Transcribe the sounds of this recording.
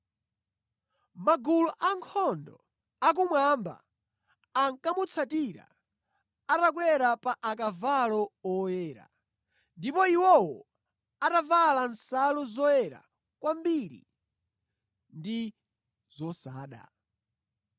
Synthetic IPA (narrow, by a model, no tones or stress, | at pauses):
maɡuluʔaŋkʰɔndɔ | ak̬umwamba̰ | aŋkamut͡sʰatiɾa̰ | atak̬wɛɾapaʔakavalɔɔjɛːɾa̰ | ndipɔiwɔwɔ | atavalansaluzɔjɛɾa̰ | kwambiɾḭ | ndi | zɔsaːɗa̰